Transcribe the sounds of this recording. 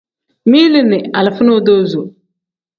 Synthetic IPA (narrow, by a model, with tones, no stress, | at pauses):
mi˦lɪ˦nɪ˨a˨lɪ˨fʊ˦no˦do˦zo˨